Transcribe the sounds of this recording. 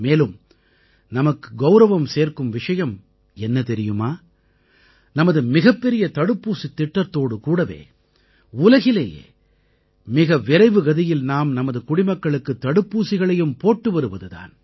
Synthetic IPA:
meːlɯm | nɐmɐkːɯ̥ɡɐʊɾɐʋɐmseːɾkɯmʋɪʂɐjɐm | ɛnːɐt̪ɛɾɪjɯmaː | nɐmɐðɯmɪɣɐpːɛɾɪjɐt̪ɐɽɯpːuːsit̪ːɪʈːɐɾt̪oːɽɯkuːɽɐʋḛː | ʊlɐɣɪlḛːjḛː | mɪɣɐʋɪɾɐɪʋɯɡɐðɪjɪlnaːmnɐmɐðɯkʊɽɪmɐkːɐɭɯkːɯt̪ːɐɽɯpːuːsɪɣɐɭɐjɯmpoːʈːɯʋɐɾɯʋɐðɯða̰ːn

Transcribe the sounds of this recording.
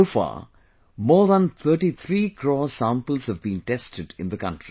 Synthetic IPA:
oːfa̰ː | mɔːðə̃nt̪ʰəːʈit̪ʰɾiːkʰɾɔːsãmpəlz̥həvbĩnʈɛstʰɪɖɪ̃nd̪əkʌ̰̃ntɹ̥i

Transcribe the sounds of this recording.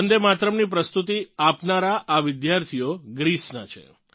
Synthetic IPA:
ənd̪emat̪ɾəmnip̬ɾəst̪ut̪̬iapnaɾaʔaʋɪd̪jaɾt̪ʰijoɡɾisnat͡ʃʰḛ

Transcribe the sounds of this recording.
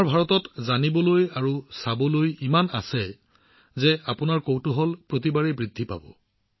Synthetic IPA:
aɹbʱaɹɔtɔtzanibɔlojaɹusabɔlojimana̰sɛ | zɛapʊnaɹkowtuɦɔlpɹot̬ibaɹɛbɹidʱːipa̰bɔ̰

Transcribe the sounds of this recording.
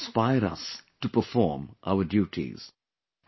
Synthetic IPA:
spaɪəɾʌ̰sʈupəfɔːɹmʔa̰ʊəɖjuːʈʰḭz̥

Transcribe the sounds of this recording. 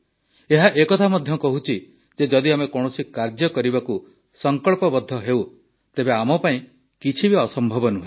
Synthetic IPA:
eɦaʔekɔt̪ʰamɔd̪ʱjɔkɔɦut͡ʃʰi | d͡ʒed͡ʒɔd̪iamekɔɽ̃ɔsikaɾd͡ʒjɔkɔɾibaku | sɔŋkɔɭpɔbɔd̪ʱːɔɦew | t̪ebeamɔpaĩ | kit͡ʃʰibiɔsɔmbʱɔbɔnuɦe

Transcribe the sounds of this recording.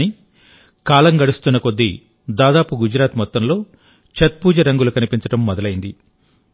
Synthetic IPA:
i | kaːlɐŋɡɐɽust̪unːɐkod̪ːi | d̪aːd̪aːpuɡud͡ʒɾaːt̪mɔt̪ːɐmlo̞ː | t͡ʃɐt̪̚puːd͡ʒɐɾɐŋɡulukɐnipiɲt͡ʃɐʈɐmːɔd̪ɐlɐjind̪i

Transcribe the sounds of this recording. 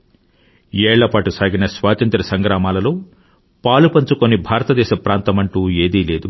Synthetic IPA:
ɛːɭːɐpaːʈusaːɡinɐsʋaːt̪ɐnt̪ɾɐsɐŋɡɾaːmaːlɐloː | paːlupɐnt͡ʃukonibʱaːɾɐt̪ɐd̪ɛːʃɐpɾaːnt̪ɐmɐɳʈuːe̞ːd̪iːle̞ːd̪u

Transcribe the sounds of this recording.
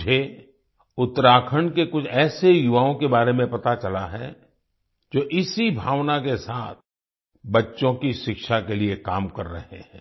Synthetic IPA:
d͡ʒʱe | ʊt̪ːəɾaːkʰəɳkekʊt͡ʃʰɛːsejʊʋaːõkebaːɾemẽpɐt̪at͡ʃɐlaɦɛ | d͡ʒoːʔɪsibʱaːʋnakesaːt̪̚ʰ | bɐtːʃõkiʃɪkʃakeliekaːmkɐɾːɐ̰ɦḛɦɛ̰̃ː

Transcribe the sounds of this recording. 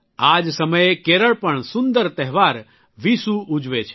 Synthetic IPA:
aːd͡ʒsəməjekeɾəɭpəɳsʊ̃nd̪əɾt̪ɛɦʋaːɾ | ʋisuud͡ʒʋet͡ʃʰ

